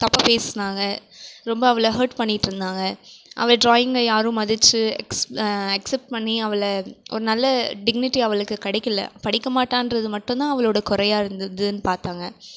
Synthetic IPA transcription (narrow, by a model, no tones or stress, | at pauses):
t̪ɐpːɐpeːsnaːŋɡɐɾɔmbɐːʋɐɭlɐɦɐːɾʈpɐɳːɪʈːɯɾɯnd̪aːŋɡɐʔɐ̰ʋɐɖɾaːjɪŋɡɐjaːɾɯ̃mɐðɯt͡ʃːɯɛ̰ksɐksɛp̚ʈ̚pɐɳːiɐʋɐlɐʔɔ̰ɾɯnɐlːɐɖɪɡnɪʈːiɐʋɐɭɯkːɯkɐɽɪkːɐlːɐ̰pɐɽɪkːɐmaːʈːaːnɾɐðɯmɐʈːɯ̃nt̪ãːɐʋɐɭoːɽɐkʊɾɐjaːɪɾɯnd̪ɐd̪ɯnːɯpaːɾt̪aːŋɡɐ